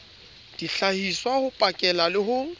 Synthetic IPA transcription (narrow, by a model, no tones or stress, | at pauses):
d̥iɬahiswahʊpʼakʼɛlalɪhʊ